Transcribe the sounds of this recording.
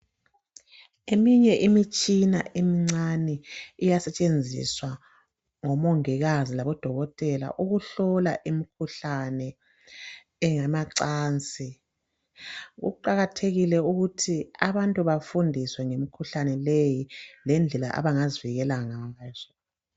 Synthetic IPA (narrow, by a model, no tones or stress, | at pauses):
emiɲɛʔimit͡ʃʼina̰ʔemiŋ͡ǀanɛːjasɛt͡ʃʼend͡zʱḭswa | ŋɔmoŋiɣazilaβɔd̥ʱɔɣɔtʼɛla̰ʔuɣuɬɔlaʔimikʰuɬanɛ | ŋamaǀaːnt͡sʼi | ɣṵǃaɣatʰeɣilɛuɣutʰiaβantʼuβafundʱiswɛŋemikʰuɬanɛlejilɛnd͡ɮʱɛla̰ʔa̰βaŋaziviɣɛlaŋaːz̥ɔ